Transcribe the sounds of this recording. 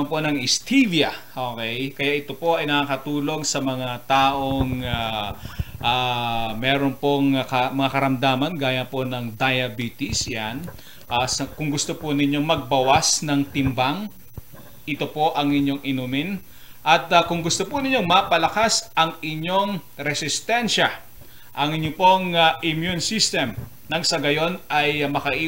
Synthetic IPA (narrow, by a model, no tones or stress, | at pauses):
mpo̞nɐŋɪst̪ʰivjɐʔokɛjkɐjaʔɪt̪o̞po̞ʔɐjnɐkaːkɐt̪uːlo̞ŋsɐmɐŋat̪aːʔoŋa | ʔamɛːɾonpoŋkɐmɐŋakɐɾɐmd̪aːmɐnɡaːjɐnpo̞nɐŋd̪ɐjɐbiːt̪ɪsjan | ʔasɐkʊŋɡʊst̪oponɪɲːo̞ŋmɐɡ̚bɐwasnɐŋt̪ɪmbaŋ | ʔɪt̪o̞po̞ʔɐŋɪɲːo̞ŋʔɪnuːmɪn | ʔɐt̪ɐkʊŋɡʊst̪opʊnɪɲo̞ŋmɐpɐlɐkasʔɐŋɪɲːo̞ŋɾɛsɪst̪ɛnʃɐ | ʔɐŋɪɲopo̞ŋaʔɪmjunsist̪ɛm | nɐŋsɐɡɐjo̞nʔɐjmɐkɐʔiː